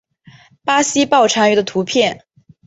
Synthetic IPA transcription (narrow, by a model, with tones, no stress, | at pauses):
pa˥ɕi˥pɑ˥˩ʊʈ͡ʂʰa˥ny˧˥d̪ə˧t̪ʰu˧˥pʰjɛ˥˩n